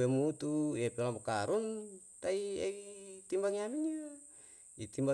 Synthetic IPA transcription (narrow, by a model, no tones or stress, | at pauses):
emut̪uepelamakaɾunt̪aieit̪imbaŋiaminia | it̪imba